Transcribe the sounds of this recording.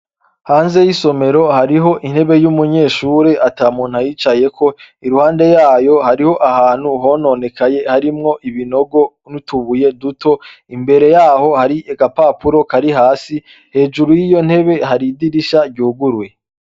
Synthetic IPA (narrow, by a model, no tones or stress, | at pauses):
haːnze̞jiso̞me̞ɾo̞haɾiɦo̞ʔin̥he̞βe̞jumuɲe̞ːʃuːɾe̞ʔataːmuːn̥hajiːt͡ʃaje̞kʰo̞ | iɾuhaːnde̞jaːjo̞haɾiho̞ʔahaːn̥huɦo̞no̞ːne̞kaje̞haɾimŋo̞ʔiβino̞ɡo̞ | nutuβuje̞dutʰo̞ | imbe̞ɾe̞jaːho̞haɾiʔeɡapaːpuɾo̞kaɾiɦaːsi | he̞ːd͡ʒuɾujiːjo̞n̥he̞βe̞haɾidiɾiʃaɾɟuːɡuɾwe̞